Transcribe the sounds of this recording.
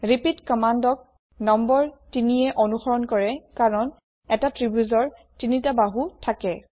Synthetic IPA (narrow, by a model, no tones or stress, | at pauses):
ɹipitkɔmandɔk̚ | nɔmbɔɹtiniɛʔonuxɔɹɔnkɔɹɛkaɹɔn | ɛtatɹibjuzɔɹtinitabaɦutʰakɛ